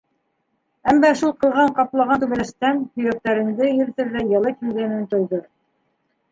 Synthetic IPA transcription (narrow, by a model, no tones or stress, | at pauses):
æmːæʃulˠqɤ̆lˠʁɑɴqɑplˠɑʁɑnt̪ʉβɘ̆læʃt̪æmhɵ̆jæk̚t̪æɾɘ̆nd̪ɘjɘ̆ɾθɘ̆ɾlæjɑlˠɤkilɡɘnɘnt̪ŏjðɤ